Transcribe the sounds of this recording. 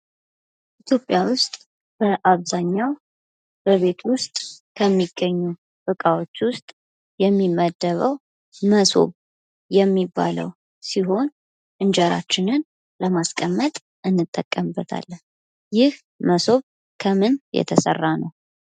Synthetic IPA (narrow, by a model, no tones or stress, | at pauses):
ʔʔit̪ʰjo̞pʼjawʊst̪ʼ | b̥əʔaβzaɲːaw | b̥əβe̞t̪ʰwʊst̪ʼkʰəmːiɡːəɲːu | bɨkʼawo̞t͡ʃːwʊst̪ʼ | jɛmːimːəd̪ːəβəw | məso̞̰β | jɛmːibːa̰lə̰w | siɦo̞n | ʔɨnd͡ʒəɾa̰t͡ʃːɪnɨn | ləmaskʼəmːət̪ʼ | ʔɨnːɨt̪ʼːəkʼːəmbːət̪ʰa̰lːən | jɪh | məso̞β | kʰəmɨnjɛ̰t̪ʰəsə̰rːanəw